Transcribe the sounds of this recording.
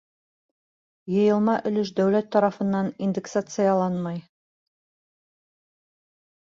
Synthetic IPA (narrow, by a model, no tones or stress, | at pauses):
jɤ̆jɤ̆lˠmɑʔɵ̆lɵʃ̬d̪æwlæt̪ːɑɾɑfɤ̆nːɑnind̪eksat̪sɨjɑlˠɑnmɑj